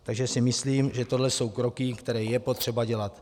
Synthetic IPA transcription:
t̪aɡʒɛsɪmɪsliːmʒɛt̪o̞dlɛso̞wkɾo̞kɪkt̪ɛɾɛːjɛpo̞t̪r̝̥ɛbaɟɛlat̪

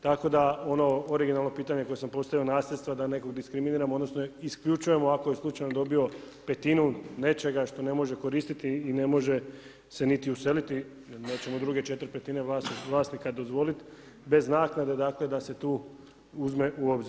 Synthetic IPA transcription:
t̪ako̞d̪ao̞no̞oɾiɡinalˠno̞piːt̪aɲe̞ko̞je̞sampo̞st̪aʋio̞naːslʎʲet̪st̪ʋad̪aneko̞ɡd̪iskɾiminiːɾamo̞d̪no̞snoiskʎut͡ʃuje̞moako̞jeslˠut͡ʃajnod̪o̞bio̞ | pe̞t̪inune̞t͡ʃe̞ɡaʃt̪o̞ne̞mo̞ʒe̞ko̞ɾiːst̪it̪iːne̞mo̞ʒe̞ | se̞nit̪iuse̞lit̪i | jelneːt͡ɕe̞mod̪ɾuɡe̞t͡ʃe̞t̪ɾipe̞t̪ine̞ʋlaːsiʋlˠaːsnikad̪o̞zʋo̞lit̪ | be̞znaːknad̪e̞d̪aːkle̞d̪ase̞t̪uː | uzme̞ʔuo̞bziɾ

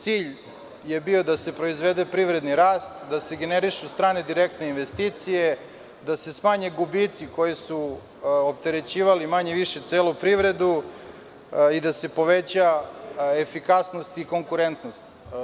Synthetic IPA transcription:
t̪siːʎ | je̞bio̞d̪ase̞pɾo̞izʋe̞d̪epɾiʋɾe̞d̪niɾaːst̪d̪aseɡeneɾiʃust̪ɾaːne̞d̪iɾe̞k̚t̪ne̞inʋe̞st̪iːt̪sije̞ | d̪ase̞smaːɲeɡubit̪siko̞jesu | op̚t̪eɾet͡ɕiːʋalimaɲeʋiʃet̪seːlupɾiʋɾe̞d̪u | id̪ase̞po̞ʋe̞t͡ɕa | efikasnost̪iko̞ŋkuɾe̞nt̪nost̪

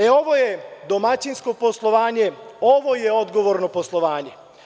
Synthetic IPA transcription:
eo̞ʋo̞jed̪o̞mat͡ɕinsko̞po̞slˠo̞ʋaːɲe̞oʋo̞jeo̞d̪ɡo̞ʋo̞ɾno̞po̞slˠo̞ʋaːɲe̞

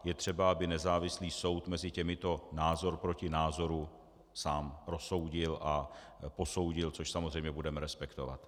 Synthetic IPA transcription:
jɛt̪r̥ɛbaabɪnɛzaːvɪsliːso̞wt̪mɛzɪcɛmɪt̪o̞naːzo̞ɾpɾo̞cɪnaːzo̞ɾu | saːmɾo̞so̞wɟɪlʔa | po̞so̞wɟɪlt͡so̞ʃsamozrɛjmɲɛbudɛmɛɾɛspɛkt̪o̞va̰t̪

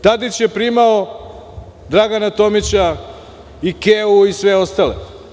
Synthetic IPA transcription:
t̪ad̪it͡ɕje̞pɾimao | d̪ɾaɡanat̪o̞mit͡ɕa | ikeuisʋeo̞st̪alḛ

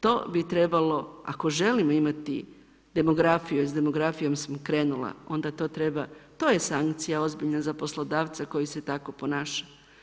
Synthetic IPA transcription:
t̪o̞ːbit̪ɾe̞balo̞a̰ko̞ʒe̞limo̞imat̪i | d̪e̞mo̞ɡɾafijozd̪e̞mo̞ɡɾafijo̞msamkɾe̞ːnula̰o̞nd̪at̪o̞ːt̪ɾe̞bat̪o̞ːjesaŋkt̪sijao̞zbiʎnazapo̞slˠo̞d̪aːʋt̪sako̞jise̞t̪ako̞po̞naːʃḁ

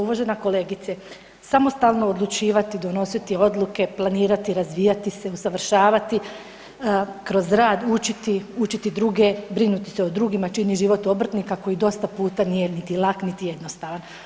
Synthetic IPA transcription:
uʋaʒe̞nako̞le̞ːɡit̪se | samo̞st̪aːlˠno̞ːd̪lˠut͡ʃiːʋat̪id̪o̞no̞sit̪io̞d̪luke̞plˠaniːɾat̪iɾazʋiːjat̪ise̞usaʋr̩ʃaːʋat̪i | kɾo̞zɾaːd̪ut͡ʃit̪iut͡ʃit̪id̪ɾuːɡebɾinut̪i̥seod̪ɾuːɡimat͡ʃiniʒiʋo̞t̪o̞br̩t̪nikako̞jid̪o̞st̪apuːt̪anije̞nit̪ilˠaknit̪ije̞d̪no̞st̪aːʋan

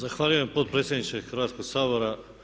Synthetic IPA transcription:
zaxʋaːʎuje̞mpo̞t̪̚pɾet̪sʲjed̪nit͡ʃexrɾʋaːt̪sko̞ɡsaːbo̞ɾa

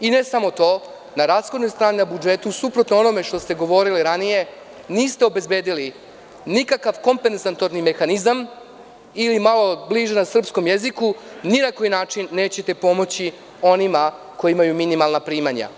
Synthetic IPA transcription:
ine̞samo̞t̪o̞ː | naɾaːsxod̪no̞jst̪ɾaːninabud͡ʒe̞t̪usupɾo̞t̪noo̞no̞me̞ʂt̪o̞st̪e̞ɡo̞ʋo̞ɾiliɾanije̞ | niːst̪eo̞be̞zbe̞ːd̪ili | nikakaʋko̞mpenzant̪o̞ɾnime̞xanizam | ilimalo̞bliʒenasr̩psko̞mjezikuninakoːjinaːt͡ʂinːe̞ːt͡ɕe̞t̪e̞po̞mo̞t͡ɕi | o̞nima | ko̞jimajuminimalˠnapɾiːmaɲa̰

